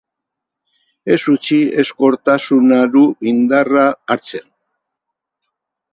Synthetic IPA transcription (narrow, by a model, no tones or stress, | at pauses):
e̞sut͡sie̞sko̞ɾt̪asunaɾuind̪araːɾt͡se̞n